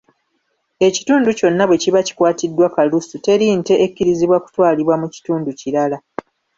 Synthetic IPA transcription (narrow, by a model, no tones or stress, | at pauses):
e̞ci̥tuːnduco̞nːaβwe̞ciβaci̥kwaːtidːwakalusute̞ɾinte̞ʔekːiɾiziβwaku̥twaːliβwamuci̥tuːnduciɾala